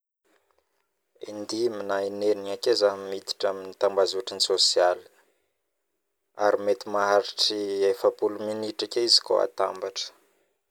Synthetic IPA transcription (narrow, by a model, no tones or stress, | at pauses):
ḭnd̪iminaineniakezamit̪i̥ʈ͡ʂaminit̪ambazuaʈ͡ʂinisosiali̥ | aɾimet̪imaɦaɾiʈ͡ʂiefəpuluminiʈ͡ʂakʲeizi̥ko̰a̰t̪ambaʈ͡ʂə̥